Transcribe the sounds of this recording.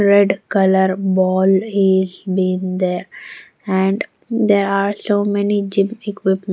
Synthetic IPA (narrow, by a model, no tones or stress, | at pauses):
ɾɛɖkʌləɾbɔːlɪzbĩːnd̪eːɾ | ɛ̃ɳɖ | d̪eːɾaːɾsoːmɛnid͡ʒɪ̃mɪkʋɪpm